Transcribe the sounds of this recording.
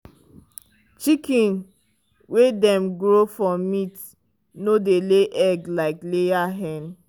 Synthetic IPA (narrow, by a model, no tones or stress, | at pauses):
t͡ʃikĩn | wedɛ̃mɡɹofɔmit | nodeleʔɛɡlaɪklejaɦɛ̃n